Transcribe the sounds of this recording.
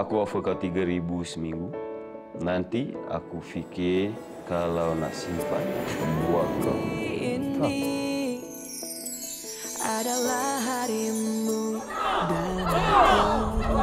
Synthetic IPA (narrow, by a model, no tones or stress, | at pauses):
akuafəkat̪iɡaɾibusəmiŋɡu | nant̪ia̰kufikɪ | kalawna̰simpa̰naməmbuakːa̰ni | adalaɦaɾimmudanaka